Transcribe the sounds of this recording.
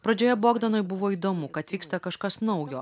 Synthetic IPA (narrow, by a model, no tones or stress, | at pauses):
pɾɐd͡ʒʲoːjɛboːɡd̪ɐnoːjbʊʋoːid̪oːmʊkɐt̪ʲʋʲiːkst̪ɐkɐʃkɐsnɔʊjo̰ː